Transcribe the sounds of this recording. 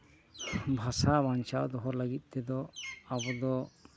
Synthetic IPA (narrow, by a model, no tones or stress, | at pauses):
bʱasabant͡ʃawd̪ɔɦɔɾləɡit̪̚ˀt̪ɛd̪ɔabɔd̪ɔ